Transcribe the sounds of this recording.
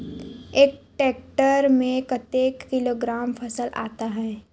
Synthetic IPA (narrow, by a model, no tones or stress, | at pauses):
eːk̚ʈeːk̚ʈəɾmẽkɐt̪eːkːɪloːɡɾaːmpʰɐsəlʔa̰ːt̪aɦɛː